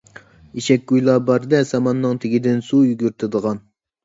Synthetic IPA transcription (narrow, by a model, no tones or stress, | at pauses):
iʃɛkʲɡujlˠɑbɑɾd̪ɛsɑmɑnːɨŋt̪ʰeɡʲid̪ɪnsujyɡʲyɾt̪ʰɪd̪əʁɑn